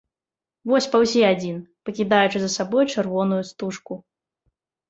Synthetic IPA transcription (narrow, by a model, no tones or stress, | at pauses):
vɔsʲpawsʲiad͡zʲinpɐkʲid̪ajut͡ʂɨzɐsabɔjt͡ʂɨrvɔnujust̪uʂku